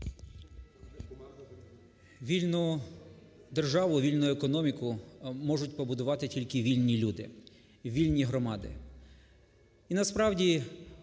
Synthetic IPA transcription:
ʋʲilʲnʊ | d̪erʒɑʋʊʋilʲnʊekɔnɔmʲikʊmɔʒʊtʲpɔbʊd̪ʊʋɑt̪ɪtʲilʲkɪʋʲilʲnʲilʲud̪ɪ̰ | ʋʲilʲnʲiɦɾɔmɑd̪ɪ̰ | inɐspɾɑwdʲi

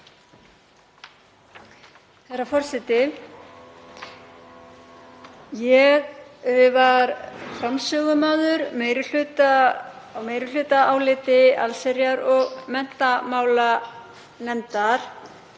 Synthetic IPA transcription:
θɛrːafɔr̥sɛt̪ɪ | jɛɣʏvaɾfɾamsœːɣʏmaːðʏɾmeːjɾʏl̥ʏːt̪a | meːjɾʏlʏːt̪aawlɪːt̪ɪa̰lsɛɾjaɾɔɣmɛn̥t̪amaːwla | nɛnt̪aɾ̥

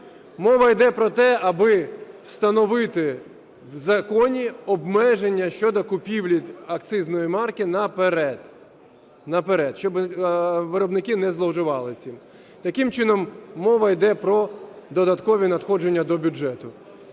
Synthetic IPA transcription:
mɔʋɐjd̪ɛpɾɔt̪ɛɐbɪw̥st̪ɐnɔʋɪt̪ɪ | wzɐkɔnʲiɔbmɛʒenʲːɐʃt͡ʃɔd̪ɔkʊpʲiwlʲiɐk̚t̪sɪznɔjimɑrkɪnɐpeɾɛd̪ | nɐpeɾɛd̪ʃt͡ʃɔb | ʋɪɾɔbnɪkɪnɛzlˠɔwʒɪʋɑlˠɪt͡sʲim | t̪ɐkɪmt͡ʃɪnɔmːɔʋɐjd̪ɛpɾɔd̪ɔd̪ɐt̪kɔʋʲinɐt̪xɔd͡ʒe̞nʲːɐd̪ɔbʲʊd͡ʒɛt̪ʊ

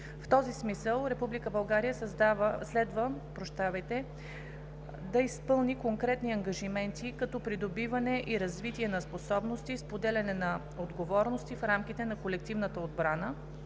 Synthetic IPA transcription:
ft̪ɔzismisəlˠɾɛpublikəbɐlˠɡaɾijəsɐzd̪avəslɛd̪vəpɾoʃt̪avɛjt̪ɛ | d̪ɐispɤlˠnikoŋkɾɛt̪niɐŋɡɐʒimɛnt̪ikɐt̪ɔpɾid̪obivɐnɛʔiɾɐzvit̪iɛnɐsposɔbnost̪ispod̪ɛlʲɐnɛnɐ | od̪ɡovɔɾnost̪ifɾamk̟it̪ɛnɐkolɛk̚t̪ivnət̪əod̪bɾanə

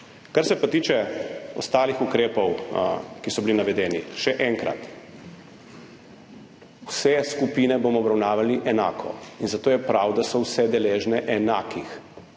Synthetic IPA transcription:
kaɾsɛpat̪iːt͡ʃɛɔ̰st̪aːlixukɾeːpɔwkisɔbilinaʋɛd̪ɛːniʃɛʔɛŋkɾa̰t̪ | wsɛskupiːnɛboːmɔːbɾawnaːʋaliʔɛna̰ːkʰɔ̰inzat̪oːjɛpɾawd̪asɔwsɛd̪ɛleːʒnɛʔɛnaːkix

